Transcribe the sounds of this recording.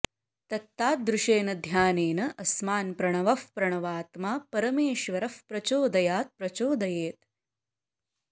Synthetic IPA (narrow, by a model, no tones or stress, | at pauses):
t̪ɐt̪ːaːt̪̚d̪ɾuʂeːnɐd̪ʱjaːneːnɐʔɐsmaːnpɾɐɳɐʋɐfpɾɐɳ̃ɐʋaːt̪maːpɐɾɐmeːʃʋɐɾɐfpɾɐt͡ʃoːd̪ɐjaːt̪̚pɾɐt͡ʃoːd̪ɐjeːt̪̚